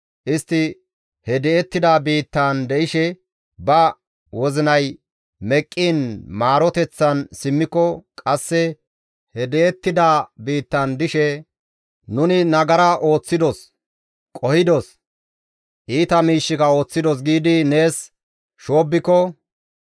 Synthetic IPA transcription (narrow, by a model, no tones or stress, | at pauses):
ʔɪst̪ːɪ | hɛd̪ɛɛt̪ːɪd̪abiːt̪ːand̪ɛʔɪʃɛ | bɐ | wɔzɪnɐj | mɛkʼːiːnmaːɾɔt̪ɛt͡sːɐnsɪmːɪkːɔkʼɐsːɛ | hɛd̪ɛɛt̪ːɪd̪aːbiːt̪ːɐnd̪ɪʃɛ | nʊnɪnɐɡɐɾɐʔo̞ːt͡sːɪd̪ɔs | kʼɔhɪd̪ɔs | ʔiːt̪ɐmiːʃːɪkɐo̞ːt͡sːɪd̪ɔs̬ɡiːd̪ɪne̞ːs | ʃo̞ːbːɪkːɔ